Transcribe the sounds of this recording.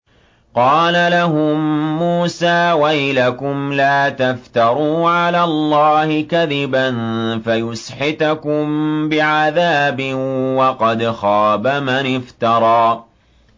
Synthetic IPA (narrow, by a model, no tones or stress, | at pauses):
qɑːlalaɦʊmːuːsaːwajlakʊmlaːt̪aft̪ɑɾˤuːʕalaːlˤːɑːhɪkaðɪbanfajʊsħɪt̪akʊmbɪʕaðaːbɪwɑqɑd̪xɑːbamanɪft̪ɑɾˤɑː